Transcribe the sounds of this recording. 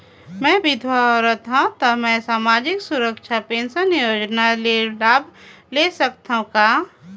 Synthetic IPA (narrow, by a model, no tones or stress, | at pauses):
mɛ̃ːbɪd̪ʱwaɔɾət̪ɦãt̪ɔmɛ̃saːmaːd͡ʒɪksʊɾəkʃʰapeːnsənijoːd͡ʒnalelaːbʱ | lesəkt̪aɦũkaː